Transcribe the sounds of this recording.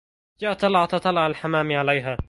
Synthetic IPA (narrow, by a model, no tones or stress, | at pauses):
d͡ʒaːʔat̪ˤːɑlɑʕat̪ɑt̪ˤɑlːɑʕalħamaːmʕalajɦaː